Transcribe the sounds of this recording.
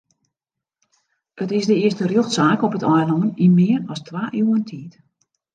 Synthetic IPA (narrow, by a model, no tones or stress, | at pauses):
ətɪsdəɪəstərjøxtsaːkɔpətʰɔjlɔŋənimɪːrɔstʋaːʔyːəntʰiːt